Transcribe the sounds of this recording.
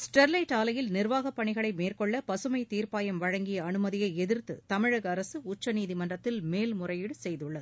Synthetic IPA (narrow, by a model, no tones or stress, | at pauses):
sʈɐɾlɐɪʈːaːlɐjɪlnɪrʋaːɣɐpːɐɳɪɣɐɭɐɪmeːrkɔɭːɐpɐsɯmɐɪt̪iːrpaːjɐmʋɐɻɐŋɡɪjɐːnɯmɐðɪjɐɪɛðɪrt̪ɯ̰t̪ɐmɪɻɐɣɐɾɐsɯʊt͡ʃːɐniːðimɐndrɐt̪ːɪlmeːlmʊrɐjɪɽɯsɛjðɯɭːɐðɯ